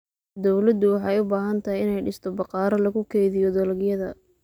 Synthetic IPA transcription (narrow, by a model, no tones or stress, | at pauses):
d̪ɔwlɐd̪ʊwɑħɑjʊbaːɦɐnt̪ʰɐɦɪjɪnɛjɖɪst̪ʰɔbɑqɑːɾɐlɐɣʊkʰɛjðɪjɔd̪ɐlɡjɐðɐ